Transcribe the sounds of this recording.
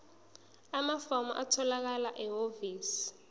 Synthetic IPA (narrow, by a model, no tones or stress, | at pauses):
amafɔmɔ̰ʔatʰɔlak̬alaʔɛɦoviːsi̥